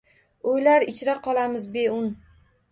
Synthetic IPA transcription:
ojlaɾɪt͡ʃʰɾaqʰɒlˠamɪzbeʊn

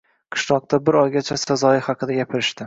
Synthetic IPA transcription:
qʰɨ̥ʃnɒq̚t̪ʰabɪɾɒjɡʲat͡ʃʰasazɒjɪhɑqʰɨd̪aɡʲapʰɪɾɪʃt̪ɪ

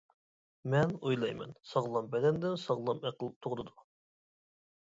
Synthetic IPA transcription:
mɛnojlˠɑjmɛ̰nsɑʁlˠɑmbɛd̪ɛnd̪ɪmsɑʁlˠɑmɛqʰəlˠɨp̚t̪ʰoʁɾɨd̪u

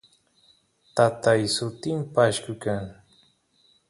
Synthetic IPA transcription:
t̪at̪ajsʊt̪ɪmpaːʃkʊkaŋ

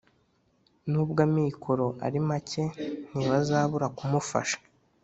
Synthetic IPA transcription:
nuːbɡamikʰoɾo̞ʔa̰ɾimace̞n̥iβazaːβuɾakumufa̰ʃḁ

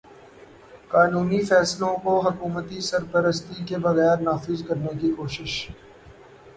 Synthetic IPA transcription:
kaːnuːnifɛːslõkoɦʊkuːmət̪isɐɾpɐɾəst̪ikebɐɣɛːɾnaːfɪzkɐɾnekikoːʃɪʃ

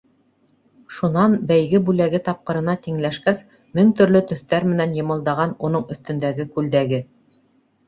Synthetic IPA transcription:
ʃunɑnbæjɡɘbʉlæɡɘt̪ɑp̚qɤ̆ɾɤ̆nɑt̪iŋlæʃkæs | mɘŋt̪ɵ̆ɾlɵt̪ɵ̆θt̪æɾmɘ̆nænjɤ̆mɤ̆lˠd̪ɑʁɑnunɤɴɵ̆θt̪ɵ̆nd̪æɡɘkʉld̪æɡɘ

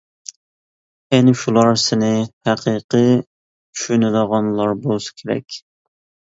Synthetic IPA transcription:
ɛnɪʃulˠɑɾsɪnɪhæqʰiqʰə | t͡ʃʰy̥ʃynɪləʁɑnlˠɑɾbolˠsɨ̥kʲʰeɾɛ̰kʲ

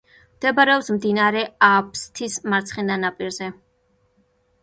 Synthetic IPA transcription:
md̪̥ɛbaɾɛɔpsmd̪inaɾɛapʰst̪ʰismaɾt̪sʰχɛnd̪anapʼiɾzɛ

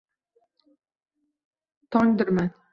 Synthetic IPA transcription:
t̪ʰɒŋd̪ɪɾman

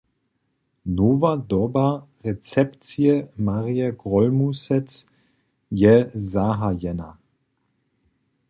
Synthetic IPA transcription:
noːvadɔba | ʁɛt͡sɛpt͡siəmaʁiəɡʁɔlmusɛt͡s | jɛzaːɦajɛna̰

